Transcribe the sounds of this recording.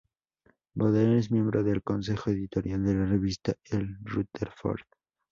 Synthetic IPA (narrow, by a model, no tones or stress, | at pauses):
boðenes̬mjẽ̞mbɾoðelko̞nse̞xo̞eðit̪o̞ɾjald̪e̞lareβist̪aelrut̪eɾfo̰ɾð